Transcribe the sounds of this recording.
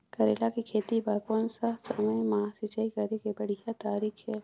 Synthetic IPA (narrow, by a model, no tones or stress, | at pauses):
kɐɾeːlakikʰeːt̪ibaːkonsasɐməjmaːsɪt͡ʃaikɐɾekebɐɽ̤ijat̪aːɾiːkʰe